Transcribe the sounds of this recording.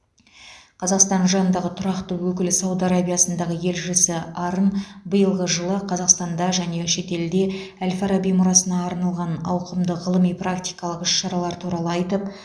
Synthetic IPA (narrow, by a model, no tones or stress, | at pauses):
qʰɑzɑqst̪ɑnʒɑnənd̪ɑʁət̪ʰʊɾɑqt̪əwɵkʲɪlsɑwd̪aɾabijasənd̪ɑʁəje̞lʒɪsɪɑɾənbəjəlˠʁəʒəlˠəqʰɑzɑqst̪ɑnd̪ɑʒæne̞ʃe̞t̪e̞ld̪e̞ælʲfaɾabijmʊɾɑsənɑːɾnɑlˠʁɑnɑwqəmd̪əʁəlˠəmijprakt̪ʲijkɑlˠəqʏʃʃɑɾɑlˠɑɾt̪ʰuɾɑlˠəɑjt̪əp